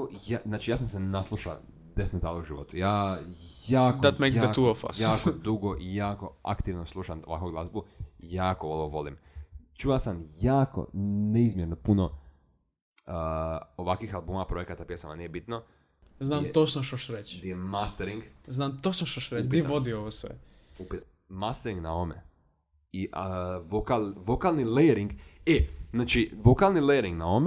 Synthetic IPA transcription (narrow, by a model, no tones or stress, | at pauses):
jaznaːt͡ʃijaːsamsenaslˠuʃa̰ | d̪efnot̪aːlouʒiʋo̞̰t̪ujaːjaːkod̪amekaat̪uofa̰jaːkod̪uɡoʔijaːko̞a̰kt̪iʋnoslˠuʃanoʋa̰koɡlˠazbujaːkooloʋo̞limt͡ʃuasamjaːko̰neizmjeɾnopuno | əoʋakʋixalˠbuːmapɾo̞je̞kat̪apjesamanijebit̪no | znaːmt̪ot͡ʃnoʃt̪oʃɾet͡ɕɡd̪ijemast̪eɾiŋɡznaːmt̪ot͡ʃnoʃt̪oʃɾet͡ʃdiiʋod̪ioʋosʋḛupit̪ | mast̪eɾĩŋɡnao̞mḛ | iʔʋokalʋokalˠnileɾiŋɡenaːt͡ʃiʋo̞kalˠnileɾiŋɡnaome